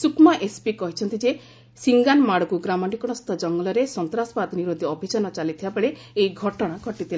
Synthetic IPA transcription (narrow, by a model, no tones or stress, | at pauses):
sukmɔʔespikɔɦit͡ʃʰɔnt̪id͡ʒe | siŋɡanmaɽɔkuɡɾamɔɳʈikɔɽ̃ɔst̪ʰɔd͡ʒɔŋɡɔlɔɾesɔnt̪ɾaspad̪niɾod̪ʱiɔbʱit͡ʃanɔt͡ʃalit̪ʰibabeɭe | ejɡʱɔʈɔɽ̃aɡʱɔʈit̪ʰil